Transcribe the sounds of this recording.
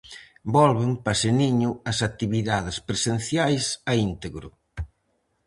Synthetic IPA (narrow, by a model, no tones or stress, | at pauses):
bɔlβempɐseniɲʊɐsat̪iβiðaðɪspɾesen̟θjajsɐint̪eɣɾʊ̰